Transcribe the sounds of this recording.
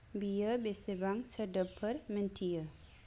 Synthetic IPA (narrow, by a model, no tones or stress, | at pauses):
bijəbesebaŋsədəpʰəɾmintʰijə